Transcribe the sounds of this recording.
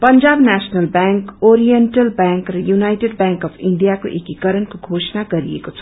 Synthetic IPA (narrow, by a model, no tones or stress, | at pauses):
pənd͡ʒaːbnasnəlbɛŋkoɾijenʈəlbɛŋkrʌjunajʈeɖ̚bɛ̃ŋkɔpʰiɳɖijako̰ʔekikəɾənkoɡʱoːsnaɡʌɾḭjḛkot͡sʰʌ̥